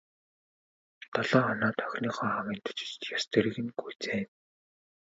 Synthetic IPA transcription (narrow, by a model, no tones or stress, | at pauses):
t̪aɮɔːχɔnaːt̪ʰœxʲniːχɔːχawiːnt̪ʰʊ̥t͡ɕɪ̥̆t͡ɕt̪jast̪eɾɘ̆ɣɘ̆ŋɡujt͡seː